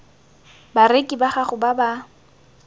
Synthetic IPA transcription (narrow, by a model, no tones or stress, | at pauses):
barekʼibaχaχʊbaba